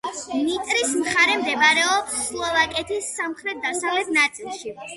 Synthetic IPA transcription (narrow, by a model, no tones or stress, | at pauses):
mit̪ʼɾismχaɾɛmd̪ɛbaɾɛɔslˠɔvakʼɛt̪ʰisːamχɾɛt̪̚d̪asavlɛt̪nat̪sʼilˠʃi